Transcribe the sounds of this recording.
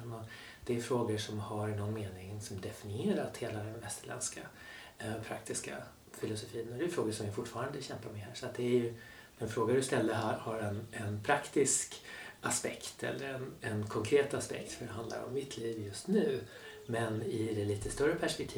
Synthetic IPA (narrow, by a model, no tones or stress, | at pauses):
nɔ | d̪̥ɛːjfɾoːɡəʂɔmhaɾnɔnːmeːnɪŋsɔmd̪ɛfɪnɪeːɾat̪heːlad̪ɛnvɛst̪əɭɛ̰nska | pʰɾakt̪ɪska̰ | fɪlʊsʊfiːnɔd̪ɛjʏfɾoːɡəʂɔmvɪfʊʈːfɑːɾand̪əɕɛmpaɾmɛhæːʂɔat̪̚d̪ɛæjɵ | ɛnfɾoːɡad̪ɵst̪ɛlːəɦahaɾɛnɛnpʰɾakt̪ɪskʔaspɛ̰kt̪ʰɛ̰lːəɾɛnɛnkʰɔŋkʰɾeːt̪aspɛ̰kt̪fœɖɛɦand̪la̰ɾɔ̰mːɪt̪ʰliːvjɵst̪nʉ̟ː | mɛnɪd̪ɛliːt̪əst̪œɾəpʰæʂpɛkt̪ʰiː